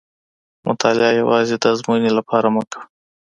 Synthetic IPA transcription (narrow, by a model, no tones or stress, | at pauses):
mʔʊ̰t̪ʰɑlɪɑjawɑzed̪əazmunelapʰɑɾaməkə̥